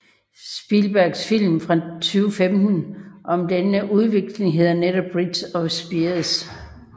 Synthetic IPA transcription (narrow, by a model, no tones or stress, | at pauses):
sb̥ilb̥æɐɡ̥sfil̰mfʁɑ̈t͡sʰyːʊəfemd̥n̩ʔɒ̽md̥enəʔuð̞ˠʋe̝ɡ̥le̝ŋɦe̝ð̰ˠɐneɾɒ̽b̥ʁid̥sɒ̽sb̥iɐs